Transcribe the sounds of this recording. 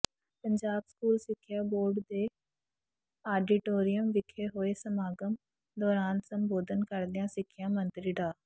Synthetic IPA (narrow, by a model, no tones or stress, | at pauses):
pə̃ɲd͡ʒaːbskuːlsɪkʰːɪjaːboːɾɖd̪eː | aːɖɪʈoːɾijəmʋɪkʰeɦoːesəmaːɡəm | d̪ɔːɾaːnsə̃mboːd̪ʱənkəɾd̪ijãːsɪkʰːɪjãːmə̃nt̪ɾiɖaː